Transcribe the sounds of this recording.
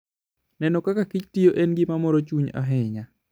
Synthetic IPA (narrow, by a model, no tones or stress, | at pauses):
nɛnokakakit͡ʃtijoʔenɡimamɔɾot͡ʃuɲa̰ɦɪɲa